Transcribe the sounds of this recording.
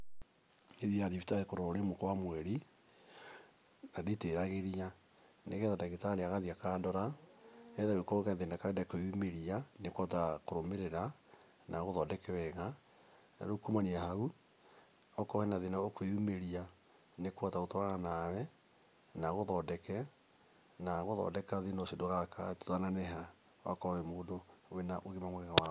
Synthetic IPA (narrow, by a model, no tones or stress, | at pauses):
eðiaðifitaɣekoɾooɾemokwamwɛɾi | nadeteɾaɣeɾia | neɣɛtataɣetaɾeaɣaðiakadɔɾa | ɛðaɣekokɛðenakadakweumeɾianekwɔtakoɾomeɾeɾa | naɣoðɔdɛkɛwɛɣa | na̰ɾokumaniahau | ɔkɔhɛnaðenaokweumeɾia | nekwataotoaɣanawɛ | naɣoðɔdɛkɛ | naɣoðɔ̰dɛkaðinosedoɣaka̰to̥tananɛɦa | wa̰kɔβɛmoːdowenaʔoɣemaŋwɛɣɛɣawa